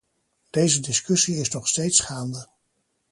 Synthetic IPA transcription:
d̥ejzədɪskɵsiɪsnɔχstejtsχaːndə

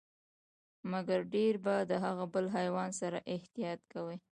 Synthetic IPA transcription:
maɡaɾɖeɾbad̪əɦaɣabəlɦajwɑnsaɾaʔɪht̪ijɑt̪kawi

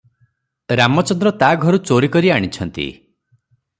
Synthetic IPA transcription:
ɾamɔt͡ʃɔnd̪ɾɔt̪aɡʱɔɾut͡ʃoɾikɔɾiaɽ̃it͡ʃʰɔnt̪ḭ

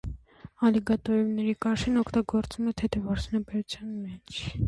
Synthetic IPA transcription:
ɑliɡɑt̪ɔjɔmnɛɾikɑʃinɔkʰt̪ɑɡɔɾt͡sumɛt̪ʰɛt̪ʰɛvɑɾsʰinəpɛɾut͡sʰjɑnmɛt͡ʃʰ

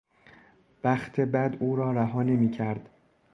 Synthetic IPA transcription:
væxt̪ʰe̞bæd̪uːɾɒːɾæɦɒːne̞miːcʰæɾd̪̥

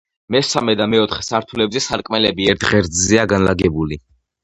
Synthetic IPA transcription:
mɛsamɛd̪amɛɔt̪ʰχɛsaɾt̪ʰulɛbzɛsaɾkʼmɛlɛbiɛɾt̪ʰʁɛɾd̪zziaɡanlaɡɛbuli

